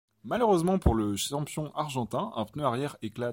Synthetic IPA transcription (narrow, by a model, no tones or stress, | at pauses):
maløʁøzmɑ̃puʁləʃɑ̃pjɔ̃ʔaʁʒɑ̃t̪ɛ̃ɛ̃pnøaʁjɛʁekla